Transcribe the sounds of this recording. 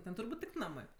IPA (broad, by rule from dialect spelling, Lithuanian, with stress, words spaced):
ˈtʲɛn tʊrˈbuːtʲ tʲɪk ˈnɑːmɜ